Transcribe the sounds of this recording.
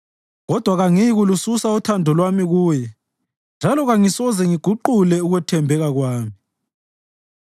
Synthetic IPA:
ɣɔd̥ʱwaɣaŋiɣulususautʰandʱɔlwamiɣuːjɛ | nd͡ʒʱalɔɣaŋisɔzɛŋiɡ̥ʱuǃulɛuɣwɛtʰɛmbʱɛɣaɣwaːmi

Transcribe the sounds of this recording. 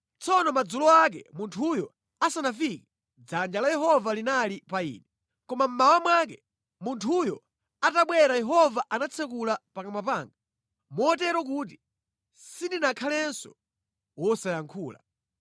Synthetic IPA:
t͡sɔnɔmad͡zulɔak̬ɛ̰muntʰujɔ | asanafikɛ | d͡zand͡ʒalajɛɦɔvalinalipaḭːnɛ | kɔmam̩mawamwak̬ɛ | muntʰujɔ | ataɓwɛɾajɛɦɔvaʔanat͡sʰɛk̬ulapakamapaːŋɡa | mɔːt̬ɛɾwɔk̬uːt̬i | sindinakʰalɛnsɔ̰ | wɔsajaŋkʰuːla̰

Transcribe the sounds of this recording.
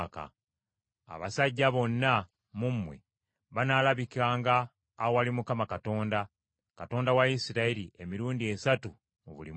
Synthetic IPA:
ka̰ | a̰βa̰saɟːaβo̞nːa | mumːwḛ | βanaːlaβikaːŋɡaː | owalimukamakato̞ːnda | kato̞ːndawajisiɾailiemiɾuːndie̞satu | o̰βṵlḭ

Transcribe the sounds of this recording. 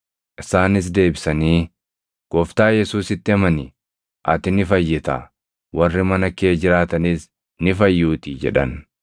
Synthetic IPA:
ʔɪsaːnɪs̬d̪e̞ːbɪsɐniː | ɡ̥ɔft̪aːjɛsuːsɪt̪ːɪɐmɐnɪ | ʔɐt̪ɪnɪfɐjːɪt̪a̰ | wɐrːɪmɐnɐkeːd͡ʒɪɾaːt̪ɐniːs | nɪfɐjːuːt̪iːd͡ʒɛ̰ᶑɐn

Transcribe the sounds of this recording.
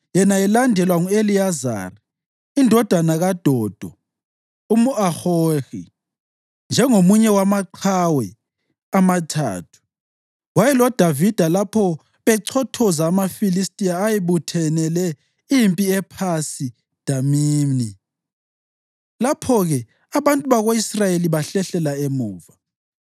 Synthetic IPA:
jɛnaɛlandʱɛlwaŋueliaza̰ːri | indʱɔd̥ʱanaɣad̥ʱɔːd̥ʱɔ | umuaxorḭ | nd͡ʒʱɛŋomuɲɛwamaǀʰawɛ | amatʰa̰ːtʰu̥ | wajɛlɔd̥ʱavid̥ʱalapʰɔ | βɛǀʰɔtʰɔzaːmafilistʼiaːjiβutʰɛnɛlɛ | impʼiɛpʰasi | d̥ʱamiːmni | lapʰɔɣɛ | aβantʼuβaɣoisrajeliβaɬɛɬɛlaemuːva

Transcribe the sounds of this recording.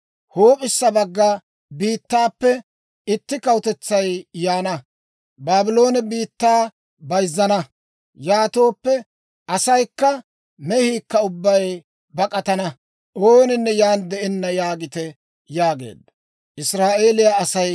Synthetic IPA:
hoːpʼɪsːɐbɐɡːɐ | biːt̪ːaːpːɛ | ɪt̪ːɪkɐwt̪ɛt͡sːɐjjaːnɐ | baːbɪlo̞ːnɛbiːt̪ːaː | bɐjzːɐnɐ | jaːt̪o̞ːpːɛ | ʔɐsɐjkːɐ | mɛhiːkːɐʊbːɐj | bɐkʼɐt̪ɐnɐ | ʔoːnɪnːɛjaːnd̪ɛɛnːɐjaːɡɪt̪ɛ | jaːɡe̞̰ːd̪ːɐ | ʔɪsɾaːʔe̞ːlɪjaɐsɐj

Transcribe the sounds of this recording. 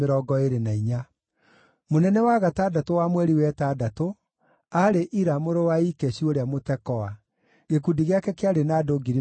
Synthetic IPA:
eɾɔːɡɔeɾenaiɲa | monɛnɛwaɣataːdatowamwɛɾiwɛtaːdato | aɾeʔiɾamoɾowaikɛɕioɾeamotɛkɔa | ɣekudiɣeakɛkeaɾenaːdoɡiɾi

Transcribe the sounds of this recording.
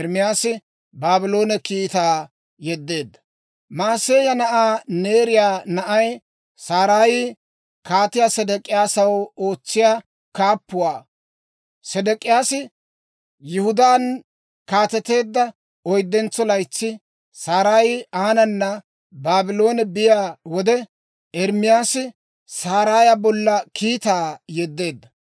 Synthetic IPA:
ɾmɪjaːsɪ | baːbɪlo̞ːnɛkiːt̪aː | jɛd̪ːe̞ːd̪ːɐ̥ | maːseːjɐnɐʔaːne̞ːɾɪjaːnɐʔɐj | saːɾaːj | kaːt̪ɪjaːsɛd̪ɛkʼɪjaːsɐwoːt͡sːɪjaː | kaːpːʊwaː | sɛd̪ɛkʼɪjaːsɪ | jʊhʊd̪aːn | kaːt̪ɛt̪e̞ːd̪ːɐ | ɔjd̪ːɛnt͡sːɔlɐjt͡sːɪ | saːɾaːjɪaːnɐnːɐ | baːbɪlo̞ːnɛbɪjaːwɔd̪ɛ | ɛɾmɪjaːsɪ | saːɾaːjɐbɔlːɐkʰiːt̪aːjɛd̪ːe̞ːd̪ːɐ

